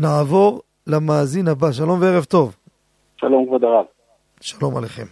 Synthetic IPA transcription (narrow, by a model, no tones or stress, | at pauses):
naavo̞ʁ | lamaːzinhabaʃ̬alo̞mveeʁevt̪o̞v | ʃalomɡvad̪aʁav | ʃḁlo̞ma̰leχe̞m